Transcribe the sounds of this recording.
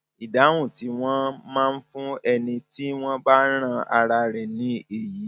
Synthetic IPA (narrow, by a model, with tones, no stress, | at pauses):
i˨da˨˦w̃ũ˦˨ti˨˦w̃ɔ̃˦mãː˦˧n̩˦fũ˦ɛ˧nĩ˧ti˦w̃ɔ̃˦ba˦ɾ̃ã˦˧a̰˧ɾa˧ɾɛ˨nĩ˨˦e˨ji˨˦